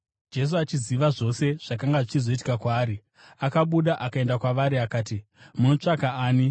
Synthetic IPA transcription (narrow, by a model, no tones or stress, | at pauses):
d͡ʒe̞s̬uat͡ʃiziʋaʐo̞se̞ʐ̥akaŋɡaʐit͡ʃizo̞iti̥kakwaːɾi | akaɓuɗaʔakae̞ndakwaʋaɾiakaːti | muno̞t͡ʂakaaːni